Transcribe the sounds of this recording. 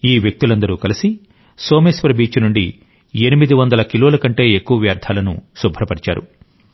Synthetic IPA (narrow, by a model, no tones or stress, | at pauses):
iːʋjek̚t̪ulɐnd̪ɐɾuːkɐlisi | so̞ːmesʋɐɾɐbiːt͡ʃɐnuɳɖi | e̞nimid̪iʋɐnd̪ɐlɐkiloːlɐkɐɳʈe̞ːekːuʋɐʋjaːɾt̪ʰaːlɐnṵsubʱɐɾɐpɐɽit͡ʃa̰ːɾṵ